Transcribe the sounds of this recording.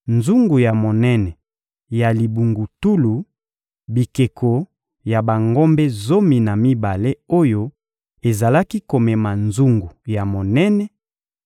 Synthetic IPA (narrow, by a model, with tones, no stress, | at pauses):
nzu˦ŋɡu˨ja˨mo˨nɛ˦nɛ˨ | ja˨li˨bu˨ŋɡu˨tu˦lu˨ | bi˨ke˨kʰo˨ | ja˨ba˨ŋɡo˦mbe˦zo˦mi˨na˨mi˦ba˨le˦o˦jo˦ | e˨za˨la˦ki˦ko˨mɛ˨ma˨nzu˦ŋɡu˨ja˨mo˨nɛ˦nɛ˨